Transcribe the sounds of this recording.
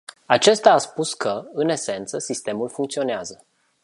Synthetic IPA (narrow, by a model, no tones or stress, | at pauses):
at͡ʃe̞st̪aːspuskʰəɨne̞se̞nt̪səsist̪e̞mulfuŋkt̪sio̞neazə